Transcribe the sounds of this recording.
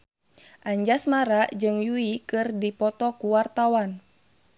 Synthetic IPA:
ʔaɲd͡ʒasmaɾaʔd͡ʒɨŋjuikɨrdipɔt̪ɔkuwart̪awan

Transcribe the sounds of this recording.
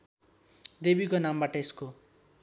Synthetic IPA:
d̪ebikonambaʈʌesko

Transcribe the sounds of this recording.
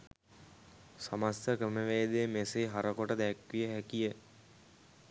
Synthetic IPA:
samast̪əkəməʋejəd̪eːmeseɦaɾəkoʈəd̪ɛkʋijəɦɛkijə

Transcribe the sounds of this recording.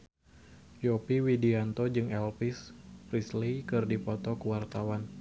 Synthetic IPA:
jopiwidiant̪ɔd͡ʒɨŋɛlpɪspɾislejkɨrdipɔt̪ɔkəwart̪awan

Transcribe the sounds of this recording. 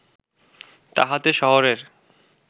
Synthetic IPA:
t̪a̰ɦat̪eʃɔɦoɾeɾ

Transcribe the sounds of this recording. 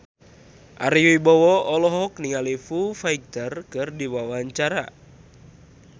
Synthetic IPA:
ʔaɾiuibɔwɔɔlɔɦɔkniŋalifufaik̚t̪ərkɨrdiwawaɲt͡ʃaɾa̰

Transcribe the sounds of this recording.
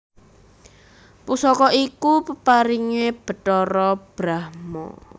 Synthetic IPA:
pusɔkɔʔikupəpaɾiŋeb̥ə̤ʈɔɾɔb̥ɾahmɔ̰

